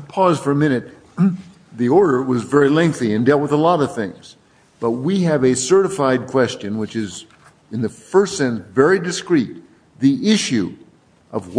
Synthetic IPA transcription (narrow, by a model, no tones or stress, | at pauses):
pʰɔz̥fə˞ɨmɪ̃ñɨt̪̚ | ðiɔɹɾə˞wʌzvɛɹilɛ̃ŋk̚θiɨ̃ndɛlˠt̚wəðəlɔɾʌv̥θɪ̃ŋz̥ | b̥ʌt̚wiɨvɨsɜ˞ɾəfaɪd̚kʰw̥ɛst͡ʃɨ̃nwɨt͡ʃɨz | ɨ̃nðɨfɜ˞stsɛ̃nsvɛɹidɨskɹit̪̚ | ðiʔɪʃʉ | ʔʌvw